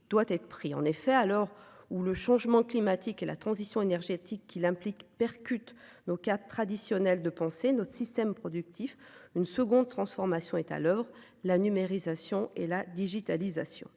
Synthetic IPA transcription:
d̪̥wat̪ɛt̪χəpχiɑ̰̃nefɛalɔʁuləʃɑ̃ʒmɑ̃klimat̪ikela̰t̪χɑ̃zisjɔ̃enɛʁʒet̪ʰikːilɛ̃plikpɛʁkʲyt̪nokat̪ːχad̪isjɔnɛld̪əpɑ̃senɔt̪ə̥sist̪ɛmpχɔd̪yk̚t̪ʰifynsəɡɔ̃d̪̚t̪χɑ̃sfɔʁmasjɔ̃ɛt̪a̰lœvʁ | lanymeʁizasjɔ̃elad̪iʒit̪alizasjɔ̰̃

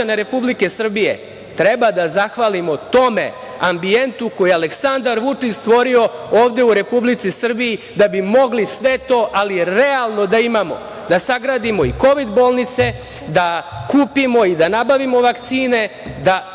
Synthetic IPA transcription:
aneɾe̞publike̞sr̩bije̞̰ | t̪ɾebad̪azaxʋalimo̞t̪o̞me̞̰ | ambie̞nt̪uko̞jeale̞ksand̪aɾʋut͡ʂit͡ɕst̪ʋo̞ɾio̞oːʋd̪e̞uɾe̞publit̪sisr̩biji | d̪abimo̞ɡlisʋe̞t̪o̞ːʔalieɾealˠno̞d̪aimamo̞̰ | d̪asaɡɾaːd̪imo̞iko̞ʋid̪bo̞ːlˠnit̪se̞ | d̪akuːpimo̞id̪anabaʋimo̞ʋakt̪siːne̞ | d̪a

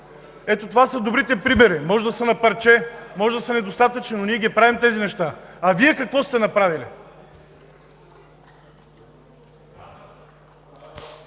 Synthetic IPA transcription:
ɛt̪ot̪ovasəd̪obɾit̪ɛpɾimɛɾimɔʒɛd̪ɐsənɐpəɾt͡ʃɛmɔʒɛd̪ɐsənɛd̪ost̪at̪ət͡ʃninoniɛɡʲiɛpɾavimt̪ɛzinɛʃt̪aɐviɛkɐkvɔst̪ɛnɐpɾavilḭ

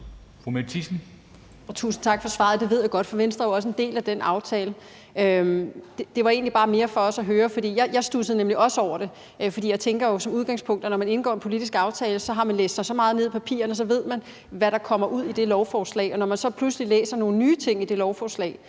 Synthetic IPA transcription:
fʁumet͡sʰisn̩ | ɒt͡sʰṵːsn̩t͡sʰɑ̈ɡ̥fɒ̽sʋɑ̰̈ð̩ˠd̥e̝ʋe̝ð̰ˠjaɡ̥ɒ̽d̥fɒ̽ʋensd̥ʁɐjoɒ̽s̬əe̝nd̥e̝̰ːlæd̥enɑ̈ʊt͡sʰɛːlə | ømd̥ed̥e̝ʋɑ̈e̝̰ːnlib̥ɑ̈ːme̝ːɐfɒ̽ɒ̽sɒɦøːɐfɒd̥ḭːjɑɪjɑ̈ɪsd̥usəð̩ˠnemliʔɒ̽səɒʊ̰ɐɾ̥e̝ | ʔfɒd̥ḭːjaɪt͡sʰeŋɡ̥ɐjo̝sɒ̽muð̞ˠɡɑ̈ŋspʰɔ̽ŋ̰d̥ɒnɒmæne̝nɡɒ̰ːenpʰo̝lid̥isɡ̥ɑ̈ʊt͡sʰɛːləsɒ̽ɦɑ̈mænlḛːsd̥sɑ̈ɪsɒ̽mɑ̈ːð̞̩ˠe̝ð̞̰ˠipʰæpʰḭːɐnəsɒ̽ʋe̝ð̞̰ˠmæn | ʋæɾɑ̈kʰɒ̽m̰ɐʔuð̞̰ˠid̥e̝lɒʊfɒːslɛ̰ɪɒnɒmænsɒ̽pʰluslilḛːsɐno̝ːn̩nyːt͡sʰe̝ŋ̰id̥e̝lɒʊfɒːslɛ̰ːɪ

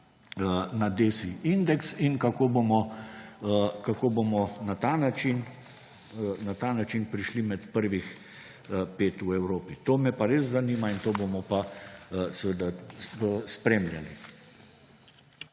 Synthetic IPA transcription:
nad̪eːsiind̪ɛksinkakoːbomɔ | kakoːbomɔnat̪anat͡ʃin | nat̪aːnat͡ʃinpɾiʃlimɛt̪pəɾʋix | peːt̪uɛwɾoːpit̪oːmɛpaɾeːzzaniːmaint̪oːbomɔpa | sɛʋəd̪aəspɾeːmlʲja̰lḭ

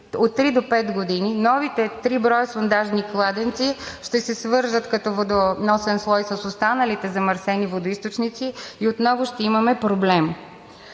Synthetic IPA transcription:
ot̪ːɾid̪opɛt̪ɡod̪ininɔvit̪ɛt̪ɾibɾɔjsond̪aʒniklˠad̪ɛnt̪siʃt̪ɛsɛsvɤɾʒət̪kɐt̪ɔvod̪onɔsɛnslˠɔjsɐsost̪anəlit̪ɛzɐmɐɾsɛnivod̪oist̪ot͡ʃnit̪siiot̪nɔvʊʃt̪ɛimɐmɛpɾoblɛm

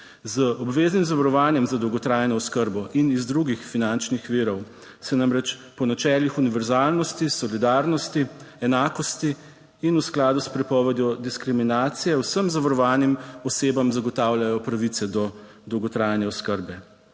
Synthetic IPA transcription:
zəɔbʋeːznimzaʋaɾɔʋaːnjɛmzad̪ɔwɡɔt̪ɾaːjnɔɔskəɾbɔʔinizd̪ɾuɡixfinant͡ʃnixʋiːɾɔw | sɛnamɾɛt͡ʃpɔnat͡ʃɛːlixuniʋɛɾzaːlnɔst̪isɔlid̪aːɾnɔst̪iɛnaːkɔst̪iː | nusklaːd̪uspɾɛpɔːʋɛd̪jɔd̪iskɾiminaːt̪sijɛwsəmzaʋaɾɔʋaːnimɔseːbamzaɡɔt̪aːwljajɔpɾaʋit̪sɛd̪ɔ | d̪ɔwɡɔt̪ɾaːjnɛɔskəɾbɛ

